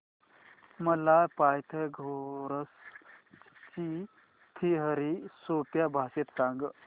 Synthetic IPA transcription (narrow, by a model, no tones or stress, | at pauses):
məlajpajt̪ʰəɡʱoɾəs | t͡ɕi | t̪ʰiɦəɾisopjabʱaset̪saŋɡ